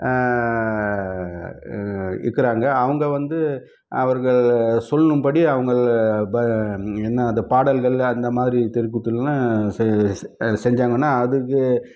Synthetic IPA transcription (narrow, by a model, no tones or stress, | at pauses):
ɪ̰kːɪɾaːŋɡɐːʋɐŋɡɐʋɐnd̪ɯ | ɐʋɐɾɣɐɭsɔlːɐnɯmpɐɽiɐʋɐŋɡɐɭbɐɛnːaɐnd̪ɐpaːɽɐlɣɐɭɐnd̪ɐmaːðɪɾit̪ɛɾɯk̬ːɯt̪ːɯlna | sɛɲd͡ʒaːŋɡɐnːaːɐðɯkːɯ